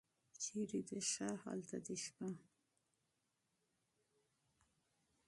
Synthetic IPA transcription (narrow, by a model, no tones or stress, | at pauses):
t͡ʃeɾid̪əʃaha̰lt̪ad̪eʃpa